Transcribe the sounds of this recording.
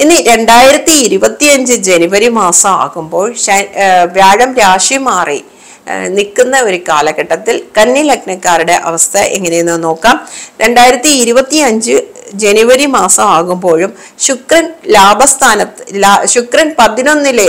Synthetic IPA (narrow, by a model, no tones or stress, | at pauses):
inːɨɾe̞ɳɖaːjiɾɐt̪ːiːɾubɐt̪ːiɐɲd͡ʑɨd͡ʑe̞nuʋɐɾimaːsɐma̰ːɣumbo̞ːɭɕɐʋjaːɻɐmɾaːʂimaːrḭ | nikːunːɐo̞ɾukaːlɐɣɐʈːɐt̪ːilkɐnːilɐknɐkːaːɾuɽe̞ʔɐ̰ʋɐst̪ʰɐʔḛŋːɐne̞jenːɨno̞ːkːaːmɾʔe̞ɳɖaːjiɾɐt̪ːiːɾubɐt̪ːiɐɲd͡ʑɨ | d͡ʑenuʋɐɾimaːsɐmaːɣumbo̞ːɻum | ɕukrɐnlaːbʱɐst̪ʰaːnɐt̪ːɨlaɕukrɐnpɐðino̞nːile